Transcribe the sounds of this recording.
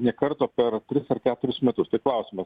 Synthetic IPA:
nʲiɛkɐɾt̪oːpʲɛrt̪ʲɾʲɪsɐrkʲæːt̪ʊɾʲʊsmʲɛt̪ʊst̪ɐɪklˠɐʊsʲɪmɐs

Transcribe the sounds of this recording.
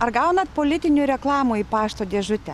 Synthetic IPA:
ɐrɡɐʊnɐt̪̚poːlʲɪt̪ʲɪnʲuːɾʲɛklˠɑːmuiːpɑːʃt̪oːd̪ʲeːʒʊt̪ʲɛ

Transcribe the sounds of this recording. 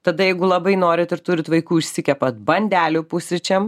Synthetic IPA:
t̪ɐd̪ɐjɛɪɡʊlˠɐbɐɪnoːɾʲɪt̪ɪɾt̪ʊɾʲɪt̪ʋɐɪkuːɪʃʲsʲɪkʲɛpɐt̪̚bɐnʲd̪ʲæːlʲʊpʊsʲɪt͡ʃʲɛm

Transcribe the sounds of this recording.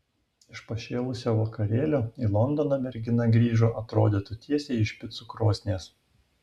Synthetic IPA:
ɪʃpɐʃʲeːlˠʊsʲoːʋɐkɐɾʲeːlʲoːilˠɔnd̪ɔnɐmʲɛɾʲɡʲɪnɐɡɾʲiːʒoːʔɐt̪ɾoːd̪ʲet̪ʊt̪ʲʰiɛsʲeːɪʃʲpʲɪt̪sʊkɾoːsʲnʲeːs

